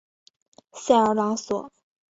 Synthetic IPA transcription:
ɕja˥˩ə˧˥lɑ˧˥ŋswɔ̰˨˩˦

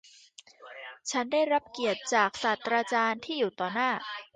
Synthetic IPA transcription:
t͡ɕʰa˦˥ndaː˥˩jɾa˦˥p̚ki˨˩ət̪̚t͡ɕaː˨˩k̚saː˨˩t̪ːɾaː˧t͡ɕaː˧nt̪ʰiː˥˩juː˨˩t̪ɔː˨˩naː˥˩

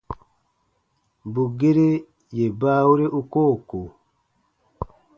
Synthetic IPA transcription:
bu˨ɡe˦ɾe˦ | je˨baː˦wu˦ɾe˦ʔu˦ko˦˨ko˨

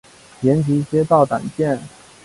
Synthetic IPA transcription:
ljɛ˧˥nt͡ɕi˧˥i˥˩ɕjɛ˥t̪ɑ˥˩ʊt̪a̰˨˩nt͡ɕjɛ˥˩n

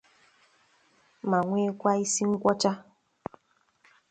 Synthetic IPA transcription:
ma˨ŋʷe˦kʷa˦i˦si˦ŋ̩˦kʷɔ˦t͡ʃa˦

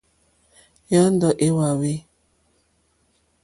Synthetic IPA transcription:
jɔ˦n˦dɔ˨ʔe˦wa˨we˦

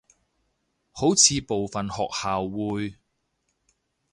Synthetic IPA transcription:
ho˨˥wt͡sʰiː˨˧po˨wfɐ˨nhɔ̰ː˨k̚haː˨wːuː˨˧j

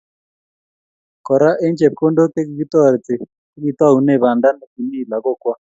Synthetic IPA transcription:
kɔ˨ɾa˦ʔɛ˦nt͡ʃɛ˨p̚ko˦ndo˦ke˦ki˨ki˦t̪ɔ˦˨ɾɛ˨t͡si˨ | ke˦ɣi˨t̪wa˦u˨nɛ˦˨βa˨nda˦na˨ki˨ni˦˨la˨kɔ˦˨kwa˦

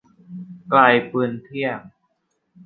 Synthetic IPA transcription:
klaː˧jpɯː˧nt̪ʰi˥˩əŋ̚

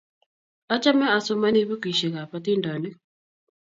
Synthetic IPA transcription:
a˦t͡ʃa˦mɛ˦a˨so˦ma˦ni˦βu˦ki˨ʃe˨ɣa˨pa˦ti˦ndɔ˨nɪ˦

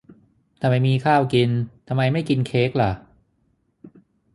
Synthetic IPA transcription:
t̪ʰa˧mːa˧jmiː˧kʰaː˥˩wki˧nt̪ʰa˧mːa˧jma˥˩jki˧nkʰeː˦˥k̚la˨˩ʔ

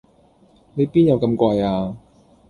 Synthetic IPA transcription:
le˨˧jpiː˥njɐ˨˧wkɐ˧mkʷaː˧jaː˧

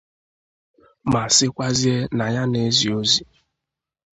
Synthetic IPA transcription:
ma˨sɪ˦kʷa˦zi˦e˦na˨ja˦ne˦zi˨o˦zi˨

